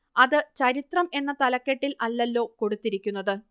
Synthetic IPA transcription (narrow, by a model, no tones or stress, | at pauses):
ɐðɨt͡ɕɐɾit̪rɐme̞nːɐt̪ɐlɐkːeʈːilɐlːɐlːo̞ːko̞ɽut̪ːiɾikʲːunːɐðɨ